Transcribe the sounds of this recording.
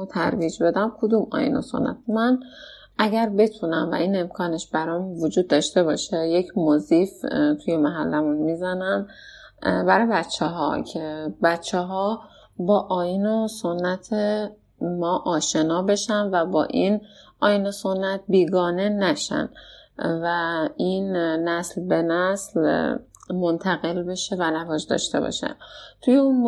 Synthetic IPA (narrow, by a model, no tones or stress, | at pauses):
t̪ʰæ̰ɾviːd͡ʒbe̞d̪æmkʰod̪umɒ̰ːjḭno̰so̰nːʔæ̰t̪̚mæn | æɟæɾbe̞t̪ʰunæmvæ̰ʔiːne̞mkʰɒːneʃbæɾɒmuvod͡ʒuːd̪ːɒːʃt̪e̞bɒːʃejecʰmozift̪ʰujemæɦælːæmunmizænæm | bæɾɒjebæt̪t͡ʃʰːeɦɒ̰cʰebæt̪t͡ʃʰːeɦɒː | bɒːʔɒːjinoso̞nːæt̪ʰe | mɒːʔɒːʃe̞nɒːbe̞ʃænvæbɒ̰ːʔinʔɒːjinoso̞nːæt̪̚biːɡɒːne̞næʃæ̰nvæinnæslbe̞næsl | mo̞nt̪ʰæɣe̞lbe̞ʃe̞vænævɒːd͡ʒd̪ɒ̰ːʃt̪e̞̰bɒ̰ːʃæ̰nt̪ʰujeun